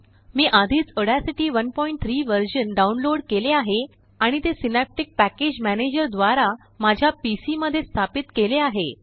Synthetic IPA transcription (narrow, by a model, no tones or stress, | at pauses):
miːʔad̪ʱiːt͡səɽasiʈiːʋənpɔiɳʈ̚t̪ʰɾiːʋəɾɕənɖaunloɽkeleaɦe | aɽ̃it̪esinap̚ʈik̚pæked͡ʑmæned͡ʑəɾd̪ʋaɾa | mad͡ʑʱjapisiməd̪ʱːjest̪ʰapit̪keleaɦe